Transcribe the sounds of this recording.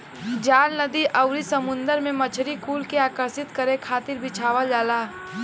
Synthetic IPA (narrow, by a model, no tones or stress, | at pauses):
d͡ʒaːlnəd̪iʔɐʊɾisɐmʊ̃nd̪əɾmẽmɐt͡ʃʰɾikuːlkeaːkəɾsɪt̪kəɾẽkʰaːt̪ɪɾbɪt͡ʃʰaːʋəld͡ʒaːlaː